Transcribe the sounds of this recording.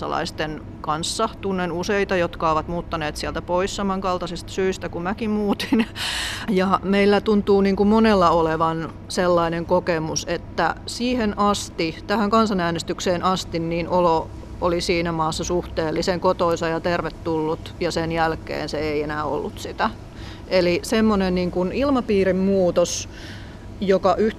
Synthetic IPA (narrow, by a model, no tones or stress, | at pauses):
ɑ̰lɑ̰ist̪en | kɑnsːɑt̪unːenuseit̪ɑjot̪kɑoʋɑt̪muːt̪ːɑneːt̪siælt̪æpoissɑmɑŋkɑlt̪ɑsist̪syist̪ækumækimmuːt̪i̥n | jɑmeilːæt̪unt̪ˑuːniːŋkummonelːɑoleʋɑn | selːɑineŋkokemuset̪ːæ̰siːhenʔɑst̪it̪æhæŋkɑnsɑnæːnest̪ykseːnʔɑst̪inniːnʔolo | olisiːnæmɑːsːɑsuht̪eːlːiseŋkot̪oinsɑjɑt̪erʋet̪ːulːut̪jɑsenjælkḛːnseeienæːo̰lːut̪sit̪æ | ʔelisemːonenniːŋkunilmɑpiːrimmuːt̪os | jokɑʔyh